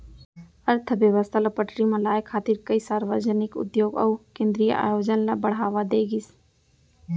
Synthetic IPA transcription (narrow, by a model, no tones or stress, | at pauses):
əɾt̪ʰəbjəʋəst̪ʰalɐpəʈɾimẽlaːjkʰːaːt̪iɾkəisaːɾʋəd͡ʒənɪkʊ̰d̪joːɡɔ̰ːkẽːnd̪ɾijə̰ʔa̰ːjoːd͡ʒənlabəɽ̤aːʋad̪eːɡis